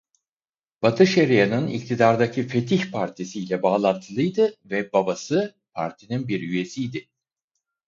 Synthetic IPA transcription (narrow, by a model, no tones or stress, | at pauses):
b̥at̪ʰɯʃeɾijanɯnḭc̚t̪ʰid̪aɾd̪acʰife̞t̪ʰiçpʰaɾt̪ʰisijlʲɛbaːlˠant̪ʰɯlˠɯjd̪ɯvɛbabasɯ | pʰa̰ɾt̪ʰininbiɾyje̞sijd̪ɪ